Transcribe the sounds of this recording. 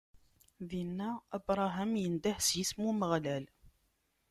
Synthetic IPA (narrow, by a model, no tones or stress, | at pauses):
ðinːææbɾˤɑɦæmjənd̪æħsjismuməʁlæl